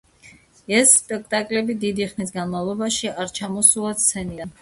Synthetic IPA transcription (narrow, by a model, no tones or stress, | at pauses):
ɛsːpʼɛk̚ʰt̪ʼakʼlɛbid̪id̪iχnis̬ɡanmavlˠɔbaʃiaɾt͡ʃʰamɔsulˠat̪ssʰɛnian